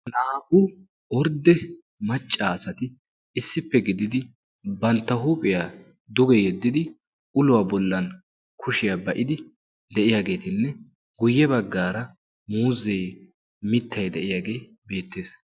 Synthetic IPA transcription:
naːʔʊ | ɔɾd̪ɛ | mɐt͡ʃʼːaːsɐt̪ɪ | ɪsːɪpːɛɡɪd̪ɪd̪ɪ | bɐnt̪ːɐɦuːpʼɪjaː | d̪ʊɡɛjɛd̪ːɪd̪ɪ | ʊlʊwabɔlːɐn | kʰʊʃɪjaːbɐʔɪd̪ɪ | d̪ɛʔɪjaːɡe̞ːt̪ɪnːɛ | ɡʊjːɛbɐɡːaːɾɐ | muːzɛj | mɪt̪ʰːɐjd̪ɛʔɪjaːɡe̞ː | be̞ːt̪ːe̞ːs

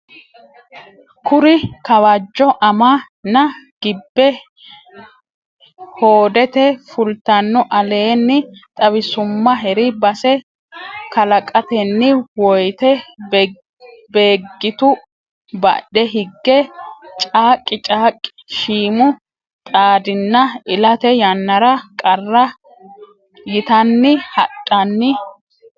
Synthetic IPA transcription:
kʊɾɪkɐwɐd͡ʒːɔʔɐma | nɐɡ̥ɪbːɛ | hoːd̪ɛt̪ɛfʊlt̪ɐnːɔʔɐle̞ːnːɪt̪ʼɐwɪsʊmːɐɦɛɾɪbɐsɛ | kɐlɐkʼɐt̪ɛnːɪwɔjt̪ɛb | be̞ːɡːɪt̪ʊ | bɐ̰ɗɛɦɪɡːɛt͡ʃʼaːkʼːɪt͡ʃʼaːkʼːɪ̥ʃiːmʊ | t̪ʼaːd̪ɪnːɐɪlɐt̪ɛjɐnːɐɾɐkʼɐrːɐ | jɪt̪ɐnːɪhɐtʼːɐnːɪ

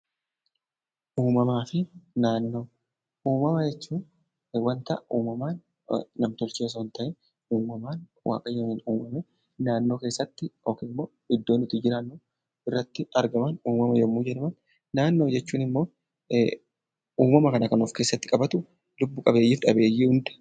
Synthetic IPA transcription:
ʔuːmɐmaːfɪnaːnːo̞ː | ʔuːmɐmɐd͡ʒɛt͡ʃːuː | wɐnt̪ɐʔɐʔuːmɐmaːnː | ɐmt̪ɔlt͡ʃeːs̬ɐwnt̪ɐʔɛ | uːmɐmaːnwʔa̰ːkʼɐjːɐniːnuːmɐmɛ | naːnːo̞ːke̞ːsːɐt̪ːɪoːkeːɪmːoː | ɪd̪ːo̞ːnɪt̪ːɪd͡ʒɪɾanːʊ | ɪrːɐt̪ːɪɐɾɡɐmɐnuːmɐmɐjɛmːuːd͡ʒɛᶑɐmɐn | naːnːo̞ːd͡ʒɛt͡ʃːuːnɪmːo̞ː | uːmɐmɐkɐnɐkɐnofke̞ːsːɐt̪ːɪkʼɐbɐt̪ʊ | lʊbːʊkʼɐbe̞ːjːɪːfᶑɐbe̞ːjːɪhʊnd̪ɛ̥

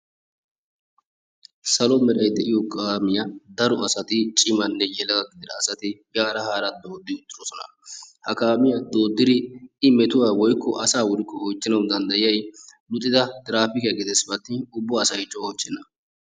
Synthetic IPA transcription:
sɐlɔmɛɾɐjd̪ɛʔɪjɔkʼaːmɪjɐd̪ɐɾɔɐsɐt̪ɪt͡ʃʼɪmɐnːɛjɛlɐɡɐɡɪd̪ɪd̪ɐːsɐt̪ɪɡaːɾɐhaːɾɐd̪o̞ːd̪ːɪʊt̪ːɪdɔsɔnɐ̰ | hɐkaːmɪjɐd̪o̞ːd̪ːɪd̪ɪɪmɛt̪ʊwaːwɔjkːɔʔɐsaːwʊɾɪkːɔhot͡ʃːɪnɐwd̪ɐnd̪ɐjɪjɐjlʊt̪ʼːɪd̪ɐt̪ʼɪɾaːfɪkɪjɐɡɪd̪ɛsbɐt̪ːɪʊbːɔɐsɐjt͡ʃːɔhot͡ʃːɛnːɐ

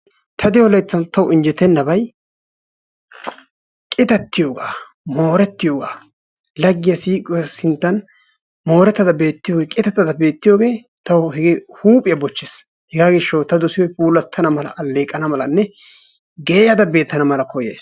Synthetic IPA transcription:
t̪ʰɐd̪ɪjɔlɐjt͡sːɐnt̪ɐwʊɪnd͡ʒɛt̪ːɛnːɐbɐj | kʼɪt̪ɐt̪ːɪjoːɡaː | mo̞ːɾɛt̪ːɪjoːɡaː | lɐɡːɪjɐsiːkʼɪwsɪnt̪ːɐn | mo̞ːɾɛt̪ːɐd̪ɐbe̞ːt̪ːɪjoːɡeːkʼɪt̪ɐt̪ːɐd̪ɐbe̞ːt̪ːɪjoːɡe̞ː | t̪ɐwʊhɛɡɪhuːpʼɪjɐbɔt͡ʃːɪs | hɛɡaːɡɪʃːɐwt̪ɐd̪ʊsɪjɔjpuːlɐt̪ʰːɐnɐmɐlɐ̰ʔɐlːeːkʼːɐnɐmɐlɐnːɛ | ɡeːjɐd̪ɐbe̞ːt̪ːɐnɐmɐlɐkɔjɐ̰js

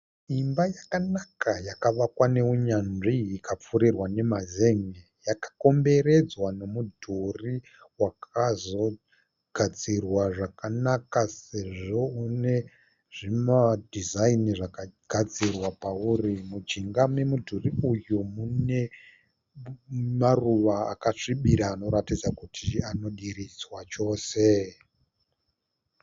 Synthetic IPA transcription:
imbajakanakajakaʋakwane̞uɲanʐiikap͡fuɾirwane̞mazeŋe | jakḁko̞mbe̞ɾe̞d͡zwano̞mudʱuri | wakazo̞ | ɡ̥ʱad͡zirwaʐakanakase̞ʐo̞une̞ | ʐimadʱizainiʐakaɡ̥ʱad͡zirwapaurimud͡ʒiŋɡamemudʱuriujumune̞ | maruʋaa̰kaʂiɓiɾaːno̞ɾatid͡zakutʰiano̞ɗirid͡zwat͡ʃo̞ːse̞

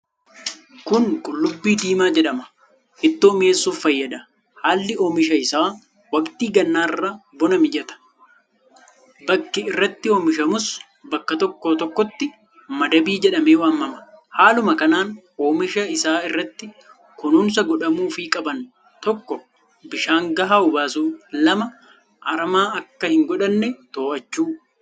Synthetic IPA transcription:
kʊnkʼʊlːʊbːiːd̪iːmaːd͡ʒɛᶑɐmɐ̥ | ʔɪt̪ːoːme̞ːsːuːfːɐjːɐd̪ɐ | haːlːɪoːmɪʃɐɪsaː | wɐkt̪iːɡɐnːaːɪrːɐbɔnɐmɪd͡ʒɛt̪ɐ̥ | bɐkːɪɪrːɐt̪ːɪoːmɪʃ̬ɐmʊs | bɐkːɐt̪ɔkːoːt̪ɔkːɔt̪ːɪ | mɐd̪ɐbiːd͡ʒɛᶑɐmeːwaːmːɐmɐ̥haːlʊmɐkɐnaːn | oːmɪʃɐɪsaːɪrːɐt̪ːɪ | kʊnuːns̬ɐɡɔᶑɐmuːfikʼɐbɐn | t̪ɔkːɔ | bɪʃaːŋɡɐɦaːʊbaːsuːlɐmɐ | ʔɐɾɐmaːɐkːɐhɪŋɡɔᶑɐnːɛt̪oːʔɐt͡ʃːuː

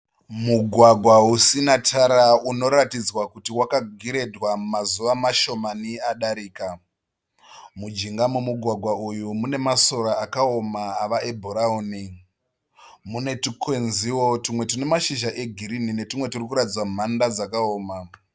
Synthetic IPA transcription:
muɡʱwaɡʱwausinatʰaɾauno̞ɾatid͡zwakutiwakaɡʱiɾe̞dwamazuʋamaʃo̞maniaɗaɾiːka | mud͡ʒiŋɡamumuɡʱwaɡʱwaujumune̞maso̞ɾaakao̞maːʋaebʱoɾauni | mune̞tikwe̞nziwo̞timwe̞tine̞maʃiʒaʔe̞ɡʱiɾinine̞timwe̞tirikuɾatid͡zwamum̤andad͡zakaoːma

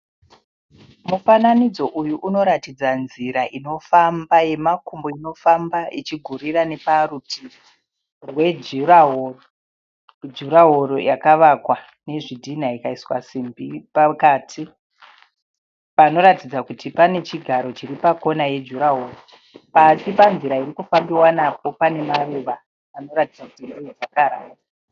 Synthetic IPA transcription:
mufananid͡zo̞ʔujuʔuno̞ɾatid͡zanziɾaʔino̞fambaje̞makumbo̞ino̞fambaʔit͡ʃiɡʱuriɾane̞parutʰi | rwe̞d͡ʒuraɦoro | d͡ʒuɾaɦo̞ɾo̞̰jakaʋakwa | ne̞ʐidʱin̤aikaiswasimbipakatʰi | pano̞ɾatid͡zakutipane̞t͡ʃiɡʱaɾo̞t͡ʃiɾipako̞naje̞d͡ʒuɾaɦoːro | pasipanziɾaiɾikufambiwanap̚o̞pane̞maruʋaː | no̞ɾatid͡zakutindiid͡zakaɾa̰ːtaa

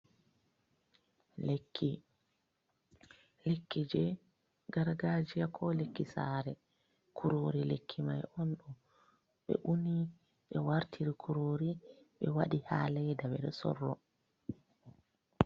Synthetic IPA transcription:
lkːi | lekːid͡ʒɛ | ɡaɾɡaːd͡ʒijakʰɔlekːisa̰ːɾɛ | kʰuɾoɾilekʰːima̰jɔnɗɔ | ɓɛ̰ʔuni | ɓɛwaɾtʰiɾikʰuɾoːɾi | ɓɛwaɗihaːlɛdaɓɛɗɛsɔ̰rːɔ

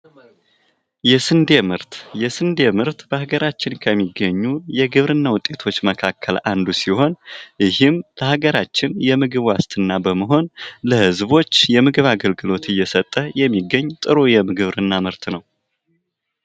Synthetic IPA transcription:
jɛsɨnd̪emɨɾt̪jɛsɨnd̪emɨɾt̪bəhaɡəɾat͡ʃːɪnkʰəmːiɡːəɲːujɛɡɨβɾɨnːawʊt̪ʼːe̞t̪ʰo̞t͡ʃːməkʰakʰːəland̪usiho̞njɪhɨmləhaɡəɾat͡ʃːɪnjɛmɨɡɨβwast̪ʰɨnːabəməɦo̞nləhɨzbo̞t͡ʃːjɛmɨɡɨβaɡəlɡɨlo̞t̪ɨjːɛsət̪ʼːəjɛmːiɡːəɲːt̪ʼɨɾojɛmɨɡɨβɾɨnːamɨɾt̪nəw

